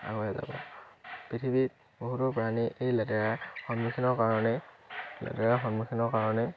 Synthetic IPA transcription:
a̰ɡɔjɛza̰bɔ̰pɹitʰibit̚ | boɦutɔpɹaniʔejlɛtɛɹaɹxɔnmukʰinɔkaɹɔnɛlɛ̰tɛɹaxɔnmukʰinɔɹkaɹɔnɛ

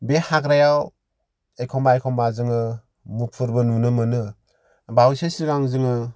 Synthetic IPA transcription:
behakɾajaw | ekʰɔmbaekʰɔmbazɯŋɯ | mupʰɯɾbɯnunɯmɯnɯ | bawsesiɾɡaŋzɯŋɯ

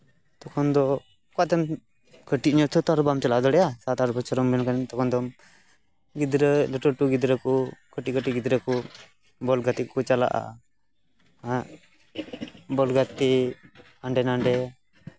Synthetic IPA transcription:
t̪ɔkʰɔnd̪ɔ | kɔt̪ɛm | kəʈiɲɔt̪ʰɔt̪aɾbamt͡ʃalaʔd̪ɔɽɛjasat̪aɾɔbat͡ʃʰɔɾɔmbɛnkant̪ɔkʰɔnd̪ɔm | ɡid̪ɾɛlɛʈɔʈuɡid̪ɾɛkɔkəʈikəʈiɡid̪ɾɛkɔ | bɔlɡat̪ikɔt͡ʃala̰ʔa̰ | a | bɔlɡat̪i | aɳɖɛnaɳɖɛ

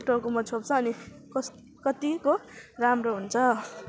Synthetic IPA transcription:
ʈorkomʌt͡sʰop̚t͡sʰʌʌni | kʌ | kʌt̪ikoramroɦunt͡sʰʌ

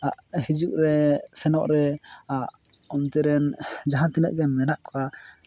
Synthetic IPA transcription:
aʔhid͡ʒuk̚ɾɛsɛnɔʔɾɛaʔɔmt̪ɛɾɛnd͡ʒaɦãt̪inə̰ʔ̚ɡɛmɛnaʔkʰɔa

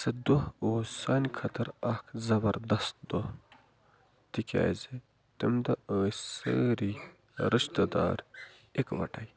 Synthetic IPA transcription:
sɐd̪ohoːsanʲkʰɐt̪ʰɐɾɐkʰzɐbɐɾd̪ɐst̪̚d̪oh | t̪ikʲa̰ːjze | t̪ɐmd̪ɐəːsə̰ɾi | ɾiʃt̪ɐd̪a̰ːɾ | ekʋɐ̰ʈɐj

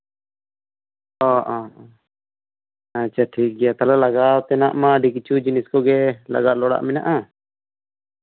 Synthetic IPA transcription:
ɔʔɔ | at͡ʃʰaʈʰik̚ɡɛjat̪alalaɡat̪ɛnaʔmaɖikit͡ʃʰud͡ʒiniskɔɡɛla̰ɡaʔlɔɽa̰ʔmɛna̰ʔa

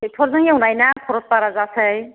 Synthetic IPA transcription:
et̪ʰɔɾzaŋaunajnakʰɔɾɔt̪̚paɾazasəj

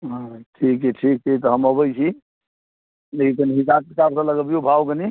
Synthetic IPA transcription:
ɦãʈʰikɛʈʰik̚t̪et̪ɔɦəməbəjt͡ʃʰi | lekik̪əniɦisapɾkaɾsə̃ləɡəbijobʱawkəni

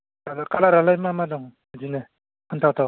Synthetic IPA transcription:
alakalaɾalajmamadɔŋ | d͡ʒine | hʰɯntʰawtʰaw

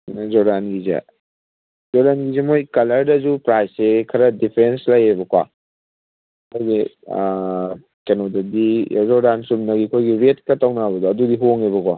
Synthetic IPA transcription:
zɔdanɡizɐ̰ | zɔɾanɡizemojkɐlɐɾdɐzupɾajsekʰɐɾɐdipʰɾenslɐjebɐkwa̰ | aɡi | kenodɐdizɔdansumnɐɡikʰojɡiɾet̚kɐtawnabɐdɔɐdudiɦoŋebɐkwa

